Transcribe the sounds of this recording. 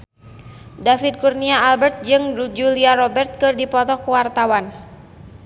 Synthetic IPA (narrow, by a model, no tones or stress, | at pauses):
dafid̪̚kurniaːlbɛrt̪̚d͡ʒɨŋd͡ʒuliaɾɔbɛrt̪̚kɨrdipɔt̪ɔkuwart̪awan